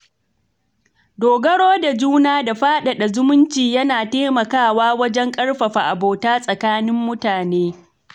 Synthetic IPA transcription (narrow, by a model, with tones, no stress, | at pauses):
doː˨ɡɐ˦ɽoː˦da˨d͡ʒuː˦naː˦da˨ɸaː˦ɗa˨ɗa˨zʊ˦mʊ˦nt͡ʃiː˨jɐ˦naː˨teː˦mɐ˨kaː˦˨waː˦wɐ˦d͡ʒɛ˦ŋkʼɐ˦ɽɸɐ˨ɸa˨ʔa˨boː˨taː˦sʼɐ˨kaː˦nɪ˦mːʊ˦taː˨neː˦